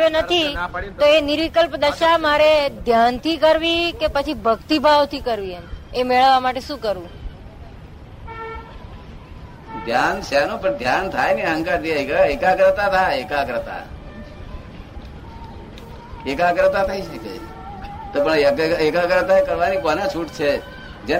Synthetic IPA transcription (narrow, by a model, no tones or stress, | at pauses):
onət̪ʰioenɪɾʋikəlpd̪əʃamaɾed̪ʱjant̪ʰikəɾʋikepət͡ʃʰibʱəɡt̪ibʱaʋt̪ʰikəɾʋiəemeɭəʋːamaʈeʃũkəɾũ | d̪ʱjant͡ʃʰanũpəɳd̪ʱjant̪ʰajneɦə̃ŋkaɾd̪iaeekaɡɾət̪at̪ʰaekaɡɾət̪a̰ | ekaɡɾət̪at̪ʰaiʃəke | t̪opəɳɡekaɡɾət̪aekəɾʋanikonat͡ʃʰuʈt͡ʃʰe | d͡ʒe